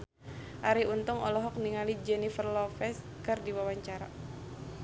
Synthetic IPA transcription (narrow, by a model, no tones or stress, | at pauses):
ʔaɾiunt̪ʊŋɔlɔɦɔk̚niŋalid͡ʒɛnifərlɔfɛs | kɨrdiwawaɲt͡ʃaɾa